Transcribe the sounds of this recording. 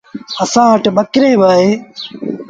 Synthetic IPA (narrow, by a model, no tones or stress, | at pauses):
əsãːəʈbəkɾeːʋaːɦeː